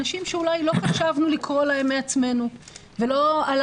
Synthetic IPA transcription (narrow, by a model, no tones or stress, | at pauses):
naʃimʃeulajlo̞χaʃavnulikʁolaemːeat͡sme̞nuvelo̞al